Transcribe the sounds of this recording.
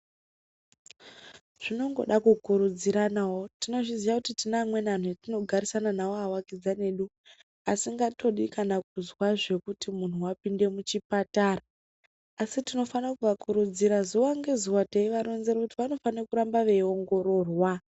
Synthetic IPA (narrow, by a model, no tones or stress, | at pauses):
ʐ̥ino̞ŋɡo̞̰ɗakukuɾud͡ziɾanawo̞tino̞ʐizijakutitinamwe̞nan̤uatino̞ɡʱaɾisananawoawakid͡zane̞ɗu | asiŋɡato̞ɗikanak̚uzwaʐe̞kutimun̤uwapinde̞mut͡ʃipataraː | sitino̞fanakuʋakʰuɾud͡ziɾazowaŋɡeziwateiʋaɾonzeɾakutiʋano̞fanekuɾambaʋe̞o̞ŋɡo̞ɾo̞ːrwa